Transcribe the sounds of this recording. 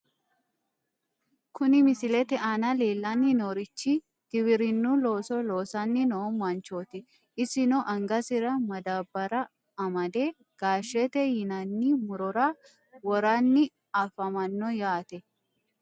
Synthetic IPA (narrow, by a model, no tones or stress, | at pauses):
kʊnɪmɪsɪlɛt̪ɛʔɐnɐleːlːɐnːɪnoːɾɪt͡ʃːi | ɡ̪̥ɪwɪɾɪnːulo̞ːsɔloːsɐnːɪnɔɔmɐnt͡ʃoːt̪ɪ | ɪsɪnɔʔɐŋɡɐsɪɾɐmɐd̪aːbːɐɾɐ | ɐmɐd̪eː | ɡ̥aːʃːɛt̪ɛjɪnɐnːimʊɾɔɾa | wɔɾɐnːɪ | ɐfɐmɐnːɔjaːt̪ɛ